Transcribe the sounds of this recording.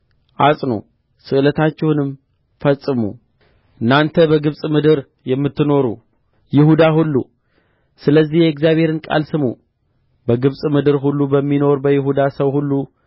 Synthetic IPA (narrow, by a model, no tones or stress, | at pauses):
ʔasʼno̰ | sɨʔɨlət̪ʰat͡ʃːɛwnɨm | fəsʼːɨmṵ | ʔʔɨnːant̪ʰəbəɡɨβsʼmɨd̪ɨɾ | jɛmːɨt̪ːɨno̞ɾṵ | jɪhud̪ahulːṵ | sɨləzːihjɛɛkzjaβhe̞ɾɨnkʼa̰lsɨmṵ | bəɡɨβsʼmɨd̪ɨɾɦulːubəmːino̞ɾbəjɪɦud̪asəwhulːu